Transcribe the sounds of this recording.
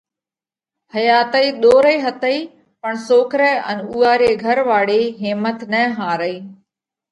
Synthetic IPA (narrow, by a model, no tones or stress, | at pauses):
həjaːt̪əiːɗ̪oːɾəiːɦət̪əiː | pəɳsoːkɾɛːə̰nuːaːɾeːɡʱəɾʋaːɽeːɦeːmət̪nəɦaːɾəiː